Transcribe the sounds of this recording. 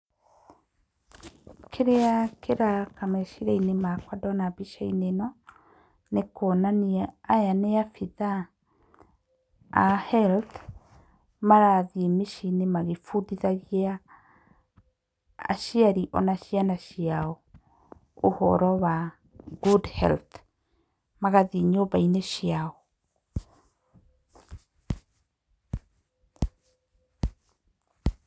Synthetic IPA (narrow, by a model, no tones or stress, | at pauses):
kʰeɾeakʰeɾakamɛʃiɾainemakwadɔnaβiʃainenɔ | nekɔnaniaajaneafiða | hɛlt | maɾaðiemeʃinemaɣefuðiðaɣia | a̰ʃiaɾiʔɔ̰naʃianaʃiaɔ | ohɔ̰ɾɔwa | ɡudhɛ̰lt | maɣaðeɲoβaineʃjaɔ